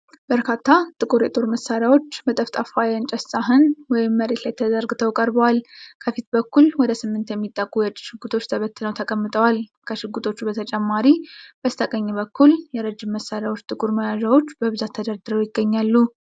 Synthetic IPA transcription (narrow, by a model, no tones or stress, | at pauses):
b̥əɾkʰat̪ʰːat̪ʼɨkʼuɾjɛt̪ʼo̞ɾməsːaɾjawo̞t͡ʃːbət̪ʼəft̪ʼafajɨnt͡ʃʼɛssʼaɦɨnwɔjɪmːəɾet̪lajt̪ʰːəd̪əɾɡɨt̪ʰəwkʼəɾbəwalkʰəfit̪bəkːulwɔd̪əsɨmːɨnt̪jɛmːit̪ʼːəkʼːujɛt͡ʃʼːi̥ʃɪɡut̪ʰo̞t͡ʃːt̪ʰəβət̪ːɨləwt̪ʰəkʼəmːɨt̪ʼəwalkʰəʃɪɡut̪ʰo̞t͡ʃːubət̪ʰət͡ʃʼɛmːaɾib̥əst̪ʰʼəkʼəɲːɛbəkʰːuljɛɾəd͡ʒɪmːəsːaɾjawo̞t͡ʃːt̪ʼɨkʼuɾməjaʒawo̞t͡ʃːbəβɨzat̪ʰːəd̪əɾd̪ɨɾəwjɪɡːəɲːalːu